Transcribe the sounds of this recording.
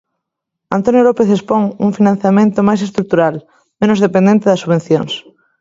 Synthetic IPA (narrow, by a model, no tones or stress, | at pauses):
ant̪onjolopeθespoŋuŋfinãn̟θjamẽnt̪omajsest̪ɾuk̚t̪uɾal | mẽnozðepend̪ent̪eðɐsuβen̟θjoŋs